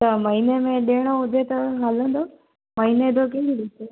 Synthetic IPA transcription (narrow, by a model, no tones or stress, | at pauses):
t̪ɐmɐɦinemẽɗeːɽ̃oʊd̪ʱet̪ɐɦaːlə̃nd̪o | mɐɦined̪okẽɡiɗit̪e